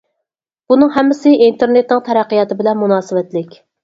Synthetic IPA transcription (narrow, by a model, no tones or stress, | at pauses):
b̥unɨŋɦɛmːɪsɪʔint̪ʰeɾnet̪nɪŋt̪ʰɛɾæqːijɑt̪ɨbɪlɛnmunɑːsɨvɛt̪lɪkʲ